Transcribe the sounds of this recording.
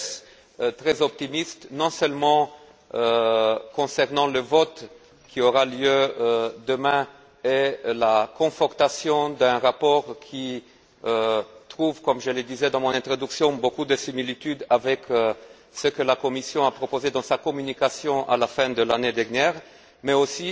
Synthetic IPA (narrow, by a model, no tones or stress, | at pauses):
s | t̪ʁɛzɔp̚t̪imist̪nɔ̃sœlmɑ̃ | kɔ̃sɛʁnɑ̃ləvɔt̪ | kʲʰioʁaljød̪əmɛ̃ | elakɔ̃fɔʁt̪asjɔ̃d̪ɛ̃ʁapɔʁkʲʰi | t̪χuvkɔmʒələd̪izɛd̪ɑ̃mɔ̃nɛ̃t̪χɔd̪yksjɔ̃bokud̪əsimilit̪yd̪avɛk | səkəlakɔmisjɔ̃apχɔpozed̪ɑ̃sakɔmynikasjɔ̃ʔa̰lafɛ̃d̪əlaned̪ɛʁnjɛʁ | mɛosi